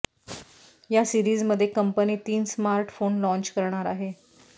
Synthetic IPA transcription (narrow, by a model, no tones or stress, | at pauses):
jasiɾiːd͡zməd̪ʱːjekəmpəniːt̪iːnsmaɾʈfonlɔ̃ɲt͡ɕkəɾɳaɾaɦe